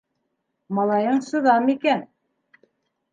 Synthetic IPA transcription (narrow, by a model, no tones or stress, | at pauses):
mɑlˠɑjɤɴsɤ̆ðɑmikæn